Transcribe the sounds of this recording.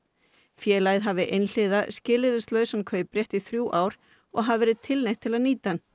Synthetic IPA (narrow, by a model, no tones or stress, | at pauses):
fjɛːlajðɦavɪʔejnl̥ɪðascɪːlɪðʏst̪lœːɥsankʰœːɥpɾjɛht̪iθɾjuːʔaːwɾ̥ | ɔɣɦavvɛːɾɪðt̪ʰɪlnejht̪ʰːɪlaðniːt̪an